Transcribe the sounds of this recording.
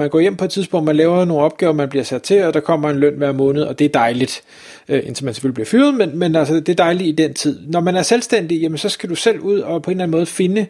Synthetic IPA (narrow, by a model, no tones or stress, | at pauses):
mænɡ̥ɒ̰ːjem̰pʰɒ̽ed̥t͡sʰiðˠsb̥ɔ̽ŋ̰d̥̚mænlɛːʊɐno̝ːnɒ̽b̥̚ɡ̥ɛːʊɐmænbliɐsæd̥t͡sʰe̝ɒd̥ɑ̈kʰɒ̽m̰ɐe̝nlœn̰ʋæɐ̰mɔ̽ːnəð̞̩ˠɒ̽d̥e̝æɐd̥ɑ̈ɪlid̥ | ʔe̝nt͡sʰemænse̥følib̥liɐfyːɐð̩ˠmenmenælsəd̥e̝æɐd̥ɑ̈ɪliid̥ent͡sʰið̞̰ˠnɒmænæɐselsd̥en̰d̥ijæmənsɒ̽sɡ̥æd̥usel̰uð̞̰ˠɒ̽pʰɒ̽e̝nlæn̩mɔ̽ːðˠəfe̝nə